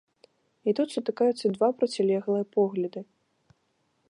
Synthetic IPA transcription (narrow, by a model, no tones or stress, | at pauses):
it̪ut̪sut̪ɨkajut̪sːɐd̪vapɾɐt͡sʲɛlʲɛɣlˠɨjɐpɔɣlʲɐd̪ɨ